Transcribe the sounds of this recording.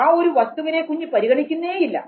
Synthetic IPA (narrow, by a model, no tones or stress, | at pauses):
aːo̞ɾuʋɐst̪uʋine̞ːkuɲːɨpɐɾiɣɐɳikʲːunːɐeːjilːɐ̰